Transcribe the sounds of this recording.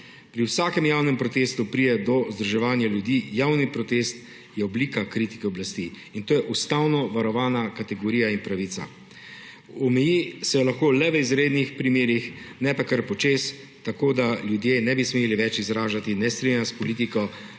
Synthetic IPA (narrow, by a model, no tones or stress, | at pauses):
pɾiwsaːkɛmjawnɛmpɾɔt̪eːst̪upɾid̪ɛd̪ɔzd̪ɾɔʒɛʋaːnjaljud̪ijaːwnipɾɔt̪est̪ | jɛɔbliːkakɾit̪i̥kɛɔblast̪i | int̪oːjɛʔust̪awnɔʋaɾɔʋaːnakat̪ɛɡɔɾiːjainpɾaʋiːt̪sa̰ | ɔmɛjisɛlaxkoːlɛʋəizɾeːd̪nixpɾimeːɾixnɛpakəɾpɔt͡ʃes | t̪akoːd̪aljud̪jenɛbismeːliʋɛt͡ʃizɾaːʒat̪inɛst̪ɾiɛnaspɔliːt̪̬ikɔ